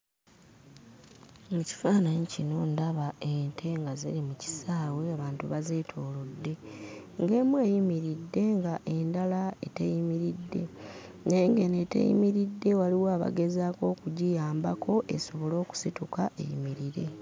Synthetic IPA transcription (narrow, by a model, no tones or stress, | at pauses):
muci̥faːnaɲicinondaβaentʰe̞ŋɡazḛlimuci̥saːweaβaːntuβaze̞ːtʰo̞ːlodːe̞ŋɡe̞ːmweːjimiɾidːe̞ŋɡaʔe̞ndalaetejimiɾidːe̞̰ | neːŋɡe̞netḛjḭmiɾidːe̞waliwaːβa̰ɡe̞zaːko̞ːkuɟijaːmbakʰo̞ʔe̞̰so̞βo̞lo̞ːku̥situkaʔe̞̰jḭmiɾiɾe̞